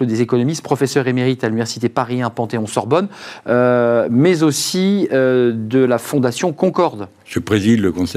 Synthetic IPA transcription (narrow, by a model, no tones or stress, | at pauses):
od̪ezekɔnɔmist̪pχɔfɛsœʁemeʁit̪alynivɛʁsi̥t̪epaʁiɛ̃pɑ̃t̪eɔ̃sɔʁbɔnømɛzosiød̪əlafɔ̃d̪asjɔ̃kɔ̃kɔʁd̪ | ʒ̥əpχezid̪ləkɔ̃sɛ